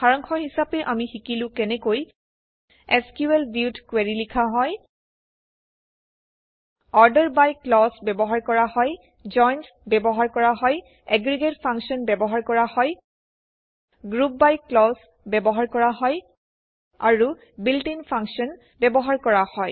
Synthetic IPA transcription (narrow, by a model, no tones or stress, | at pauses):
xaɹɔŋxʰɔɦisapɛʔamixikilʊ̃kɛnɛkoj | ɛskjuɛlbjutkwɛɹilikʰaɦɔj | ɔɹdɛɹbajklɔsbɛbɔɦaɹkɔɹaɦɔj | d͡ʒɔjns | bɛbɔɦaɹkɔɹaɦɔj | ɛɡɹiɡetpʰaŋksɔnbɛbɔɦaɹkɔɹahɔj | ɡɹup̚bajklɔs | bɛbɔɦaɹkɔɹaɦɔj | aɹu | bildinpʰãŋksɔn | bɛbɔɦaɹkɔɹahɔj